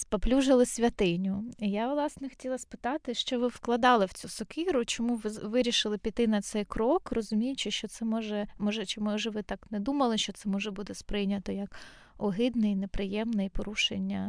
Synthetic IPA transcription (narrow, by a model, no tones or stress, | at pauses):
spɐplʲuʒɐlˠɪsʲʋʲɐt̪ɪnʲʊijaʋlˠɑsnɛxɔ̥tʲilˠɐspɪ̥t̪ɑt̪ɪʃt͡ʃɔʋɪwklˠɐd̪ɑlˠɪwt͡sʲusɔkiɾʊt͡ʃɔmuʋɪɾʲiʃɪlˠɪpʲit̪ɪnɐt̪sɛjkɾɔkrɔzʊmʲijʊt͡ʃɪʃt͡ʃɔt̪sɛmɔʒɛmɔʒɛt͡ʃɪmɔʒɛʋɪt̪ɑknɛd̪umɐlˠɪʃt͡ʃɔt̪sɛmɔʒɛbud̪ɪspɾɪjnʲɐt̪ɔjɐk | ɔɦɪd̪nɪjnepɾɪjɛmnɪjpɔɾuʃḛnʲːɐ